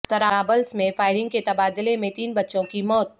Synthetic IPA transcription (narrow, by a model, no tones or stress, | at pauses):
t̪ɐɾaːbəlsmẽfaːɪɾɪ̃ŋɡ̚ket̪ɐbaːd̪lemẽt̪iːnbɐtːʃõkimɔːt̪̚